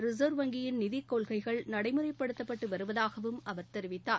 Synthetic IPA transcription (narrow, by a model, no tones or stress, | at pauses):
ɾɪzɐːɾʋɐŋɡɪjɪnnɪðikːoːɭɣɐɪɣɐɭnɐɽɐɪmɯɾɐɪpːɐɽɯt̪ːɐpːɐʈːɯʋɐɾɯʋɐðaːɣɐʋɯmʔɐʋɐɾt̪ɛɾɪʋɪt̪ːaː